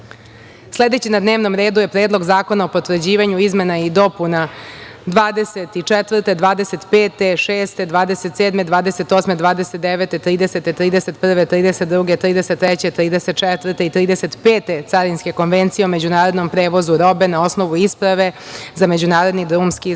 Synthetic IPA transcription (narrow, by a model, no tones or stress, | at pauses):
sle̞d̪et͡ɕinad̪neːʋno̞mɾe̞ːd̪uje̞pɾeːd̪lˠo̞ɡzaːko̞naopo̞t̪ʋr̩d͡ʑiːʋaɲuizme̞naid̪o̞puna | d̪ʋaːd̪e̞set̪it͡ʂɛt̪ʋr̩t̪ed̪ʋaːd̪e̞set̪peːt̪e̞ʃeːst̪e̞d̪ʋaːd̪eset̪seːd̪med̪ʋaːd̪eset̪o̞smed̪ʋaːd̪eset̪̚d̪eʋet̪e̞t̪ɾiːd̪eset̪et̪ɾiːd̪eset̪pr̩ʋet̪ɾiːd̪eset̪̚d̪ɾuɡe̞t̪ɾiːd̪e̞set̪ːɾɛt͡ɕe̞t̪ːɾiːd̪eset̪̚t͡ʃɛt̪ʋr̩t̪e̞it̪ɾiːd̪eset̪peːt̪e̞t̪saɾinske̞ko̞nʋent̪sijeome̞d͡ʑunaːɾod̪no̞mpɾeːʋo̞zuɾo̞be̞nao̞sno̞ʋuispɾaʋe̞zamed͡ʑunaːɾo̞d̪nid̪ɾumski